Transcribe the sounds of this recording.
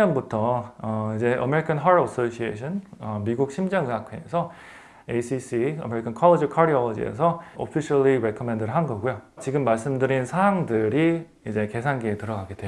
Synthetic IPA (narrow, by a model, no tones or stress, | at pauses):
ɲʌnbutʰʌʌid͡ʑe̞ʔʌ̰me̞ɾikʰanɦaɾʌs͈oɕʰieɕʰʌnʌmiɡuk̚ɕʰimd͡ʑaŋsʰakʰwḛːsʰʌ | esʰisiʌ̰me̞ɾikʰankʰʌɭːed͡ʑikʰaɾiʌʌd͡ʑiḛs̬ʰʌo̰pʰiɕʰʌɭiɾekʰʌmendɯɾɯɭɦanɡʌɡujot͡ɕiɡɯmːaɭs͈ɯmdɯɾinsʰaaŋdɯɾi | id͡ʑe̞ke̞sʰanɡeːtɯɾʌɡaɡed̥weo